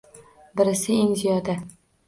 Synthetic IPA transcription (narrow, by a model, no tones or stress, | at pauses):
bɪɾɪsɪɪŋzijɒd̪a